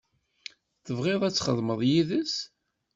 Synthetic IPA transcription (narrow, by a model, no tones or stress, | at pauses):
θəvʁeðˤæt͡sːχə̰ðˤməðˤjiðəs